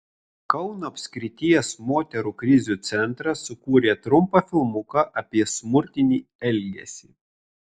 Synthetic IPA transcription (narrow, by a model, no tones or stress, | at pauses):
kɐʊnoːɐpʲsʲkʲɾʲɪt̪ʲɪjɛsmoːt̪ʲɛɾuːkɾʲɪzʲuːt̪sʲɛnˑt̪ɾɐsʊkuːɾʲeːt̪ɾʊmpɑfʲɪlˠmʊkɐʔɐpʲiɛsmʊɾʲt̪ʲɪnʲiːɛlʲɡʲɛ̰sʲiː